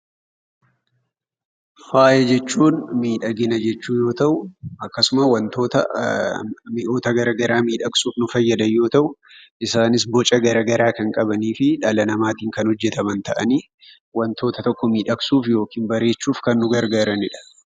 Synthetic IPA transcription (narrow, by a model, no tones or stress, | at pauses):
faːjɐd͡ʒɛt͡ʃːuːnmiːᶑɐɡɪnɐd͡ʒɛt͡ʃːuːjo̞ːt̪ɐʔʊɐkːɐsʊmɐwɐnt̪o̞ːt̪ɐ | mɪʔo̞ːt̪ɐɡɐɾɐɡɐɾaːmiːᶑɐksuːfnʊfɐjːɐd̪ɐjːo̞ːt̪ɐʔʊ | ʔɪsaːnɪs̬bɔt͡ʃʼɐɡɐɾɐɡɐɾaːkɐŋkʼɐbɐniːfɪᶑɐlɐnɐmaːt̪iːŋkɐnhɔd͡ʒːɛt̪ɐmɐnt̪ɐʔɐni | wɐnt̪o̞ːt̪ɐt̪ɔkːɔmiːᶑɐksuːfjo̞ːkiːnbɐɾe̞ːt͡ʃːuːfkɐnːʊɡɐɾɡaːɾɐnɪᶑɐ̥